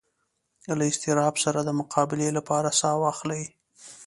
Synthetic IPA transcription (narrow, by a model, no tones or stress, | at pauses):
laɪst̪ɪɾɑbsaɾad̪əmʊqʰɑbɪlelapɑɾasɑwɑxlaj